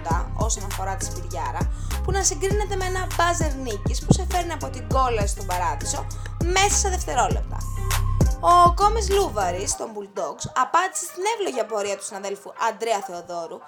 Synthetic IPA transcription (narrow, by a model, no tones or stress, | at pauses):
t̪ɐo̞so̞nɐfo̞ɾɐt̪i̥spiɾʝɐɾɐpunɐsiŋɡɾine̞t̪e̞meenɐbɐze̞ɾnicispusefe̞ɾniɐpo̞t̪iɡo̞lɐst̪obɐɾɐðiso̞me̞sɐsɐðeft̪e̞ɾo̞le̞̰p̚t̪ɐ̰ | o̞ko̞mizluvɐɾist̪o̞mbuld̪o̞ksɐpɐnd̪ise̞st̪ine̞vlo̞ʝɐpo̞ɾiɐt̪u̥sinɐðe̞lfuʔɐnd̪ɾeɐθe̞oðo̞ɾu